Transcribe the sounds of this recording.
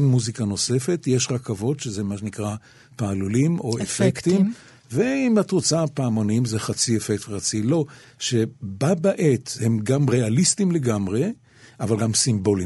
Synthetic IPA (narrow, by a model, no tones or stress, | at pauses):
nmuzikano̞se̞fe̞tje̞ʃʁakavo̞tʃezemaʃenikʁa | paːlulimo̞efekt̪imm | veimat̪ʁot͡sapaːmo̞nimzeχat͡siefek̚tveχat͡silo̞ | ʃe̞babaʔet̪he̞mɡamʁe̞alistimle̞ɡamʁe̞ | ʔavalɡamsimbo̞li